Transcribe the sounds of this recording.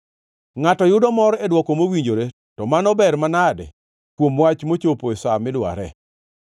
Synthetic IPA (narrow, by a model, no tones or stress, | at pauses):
ŋatɔjʊdɔmɔɾɛdwɔkomowiɲd͡ʒoɾe | tɔmanɔbɛrmanadɛ̰ | kwomwat͡ʃmot͡ʃoposamɪlwa̰ɾɛ̰